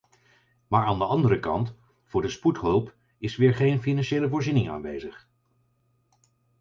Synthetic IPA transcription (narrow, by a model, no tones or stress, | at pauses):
maːɹaːndəɑndəɾəkɑnt | fʊːɹdəsputɦɵlˠp | ɪsʋɪːɹχejnfinɑnʃejləvʊːɹzinɪŋa̰ːnʋejzəχ